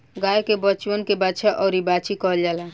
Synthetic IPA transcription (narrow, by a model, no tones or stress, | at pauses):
ɡajkebət͡ʃwənkebat͡ʃʰaʔɔʊɾibat͡ʃʰikɔɦld͡ʒala